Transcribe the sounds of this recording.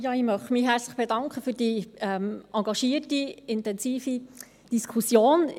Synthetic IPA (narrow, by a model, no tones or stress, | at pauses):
jɑːimœχtmiɦɛɾt͡sləχb̥edɑŋkχəfyːd̥iɛmʔɑŋɡɑʃiːrtiɪntɛnsiːfi | d̥iskʰusjoːn